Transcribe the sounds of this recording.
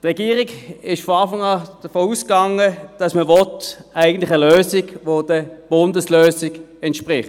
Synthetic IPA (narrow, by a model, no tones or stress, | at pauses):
tʁɛɡ̥iːʁɪɡɪʃfɔɑːfɑŋɑːd̥əfoːuskɑŋəd̥ɑsməvɔtæɪɡəntlɪχəløːsɪɡʋod̥əb̥ʊndəsløːsɪɡɛntʃpʁɪχt